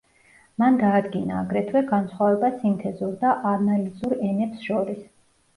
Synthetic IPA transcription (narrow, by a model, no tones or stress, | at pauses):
manɡaːd̪ɡinaːɡɾɛt̪ʰwɛɡansχwavɛbasimt̪ʰɛzuɾd̪aʔanalizuɾɛnɛpsʃɔɾis